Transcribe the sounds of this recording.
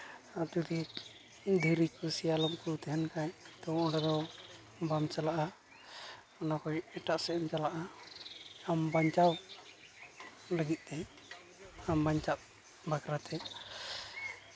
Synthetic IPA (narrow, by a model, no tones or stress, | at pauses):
ad͡ʒɔd̪i | d̪ʱəɾikusijalɔmkut̪ɛɦɛnkajt̪ɔɔɖad̪ɔ | bamt͡ʃalaʔa | ɔnakɔjɛʈaʔsɛɛmt͡ʃalaʔa | ambaɲt͡ʃaw | ləɡit̪̚ˀɛj | ambaɲt͡ʃat̪̚ | bakɾat̪ɛ